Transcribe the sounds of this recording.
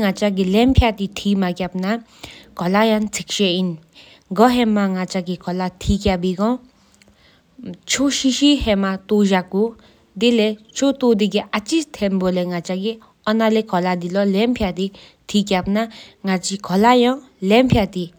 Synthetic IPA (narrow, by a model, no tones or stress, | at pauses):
ŋat͡ʃaɡilɛmpʰjat̪it̪ʰimakjap̚na | kʰɔlajaŋt͡sʰikʃein | ɡɔɦɛmaŋat͡ʃaɡikʰɔlat̪ʰikabiɡɔ̃ | t͡ʃʰoʃiʃiɦɛmat̪oʒakːu | d̪ilet͡ʃʰot̪od̪iɡiʔat͡ʃist̪ʰɛmbolɛŋat͡ʃaɡi | ɔnalɛkʰɔlad̪ilɔlɛmpʰjad̪i | t̪ʰik̬jap̚naŋat͡ʃikʰɔlajaŋ | lɛmpʰjat̪i